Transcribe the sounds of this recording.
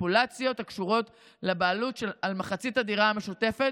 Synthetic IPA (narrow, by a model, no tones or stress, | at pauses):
pulat͡sjo̞takʃuʁo̞t | lebaːlutʃelalmaχat͡sitadiʁaame̞ʃute̞fet